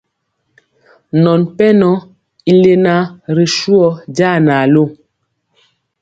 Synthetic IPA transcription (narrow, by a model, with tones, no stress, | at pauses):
nɔ˨npɛ˦nɔ˦ | i˦le˦na˦ɾi˨ʃu˦ɔ˦d͡ʒa˦˨na˨lo˦˨